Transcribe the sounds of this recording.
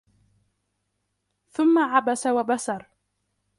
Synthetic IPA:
θʊmːaʕabasawabasɑɾˤ

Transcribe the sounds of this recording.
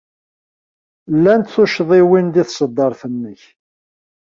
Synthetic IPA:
lːænt̪θuʃðˤewind̪iθsˤəd̪ːɑɾˤθənːəç

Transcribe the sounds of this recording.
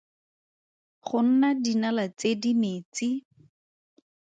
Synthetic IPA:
χʊn̩nadinalat͡sedineːt͡sɪ

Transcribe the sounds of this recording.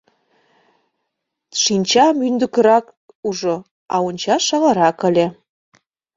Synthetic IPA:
ʃinʲt͡ɕɑmynd̪ə̆kə̆ɾɑk | uʒo | ɑ̰onʲt͡ɕɑʃɑʁɑɾɑkə̆lʲe

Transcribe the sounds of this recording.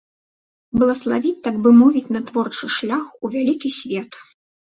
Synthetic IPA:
bɐlˠɐslˠavʲit͡sʲt̪aɡ̚bɨmɔvʲit͡sʲnɐt̪vɔrt͡ʂɨʂlʲaxuvʲalʲikʲisʲvʲɛt̪

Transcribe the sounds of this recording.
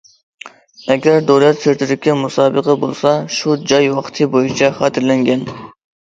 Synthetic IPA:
ɛɡʲæɾd̪owlɛt̪seɾt̪ʰɪɾɪkʲːɛmusɑːbəqʰɑbolˠsɑʃud͡ʒɑjwɑqt̪ʰɨbojit͡ʃʰɑχɑːt̪ʰɪɾlɛŋɡʲɛn

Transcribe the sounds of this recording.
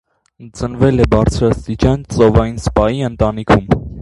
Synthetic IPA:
t͡sənvɛlɛbɑɾt͡sʰɾɑst̪it͡ʃɑnt͡sɔvɑjinspɑjiənt̪ɑnikʰum

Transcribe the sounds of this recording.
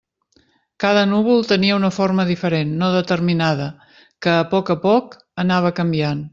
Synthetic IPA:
kaðənuβ̞ulˠt̪əniəunəforməðifəɾenːoðət̪əɾminaðə | kəːpɔkəpɔk | ənaβ̞əkəmbian

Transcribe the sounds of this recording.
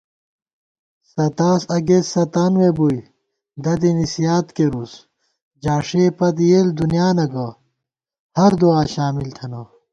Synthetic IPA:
sɐt̪aːsɐɡesɐt̪aːnwebuj | d̪ɐd̪̬inisijaːt̪keɾus | d͡ʑaːʂepɐt̪̬jeːld̪unjaːnɐɡɐ | hɐɾd̪uaːɕaːmilt̪ʰɐnɐ

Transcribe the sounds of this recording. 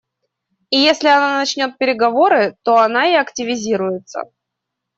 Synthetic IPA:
ijesʲlʲɪɐnanɐt͡ɕnʲo̞t̪̚pʲɪɾʲɪɡɐvo̞ɾɨt̪o̞ɐnaɪɐktʲɪvʲɪzʲiɾʊjɪt̪sə̰

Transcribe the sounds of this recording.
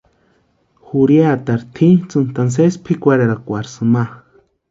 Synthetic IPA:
xuɾjat̪aɾt̪ʰit͡sɨnt̪ans̬espʰikʷaɾeɾakʷaɾsɨma

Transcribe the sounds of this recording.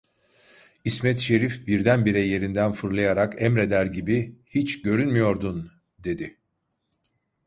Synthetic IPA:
ismɛt̪ʃe̞ɾifbiɾd̪ænbiɾɛje̞ɾind̪ænfɯɾlˠajaɾakɛmɾe̞d̪æɾɟibihit͡ʃɟø̞ɾynmyjo̞ɾd̪un | d̪e̞d̪ɪ

